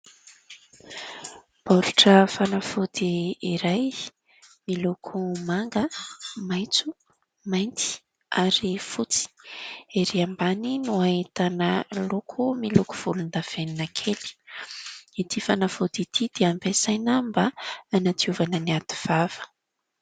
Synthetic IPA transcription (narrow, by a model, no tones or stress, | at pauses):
b̥oɾuʈ͡ʂəfanafod̪iiɾaj | milokʰumaŋɡəmajt͡su | majnt̪i̥ | aɾifut͡si̥eɾiambaninuaet̪anəlokʰumiloku̥v̥ulund̪av̥eninakʰeli̥ | it̪ʰifanafud̪it̪ʰid̪̥eampesajnambaːnat̪iuvanəniat̪i̥v̥av̥ə̥